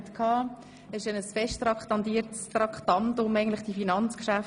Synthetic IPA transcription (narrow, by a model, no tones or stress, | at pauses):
t̪kʰɑː | ɛsʃɛnəsfɛʃtɾɑkχtɑnt̪iːəɾtstrɑktɑntʊmæɪɡn̩tlɪχd̥ifinɑnt͡skʃæf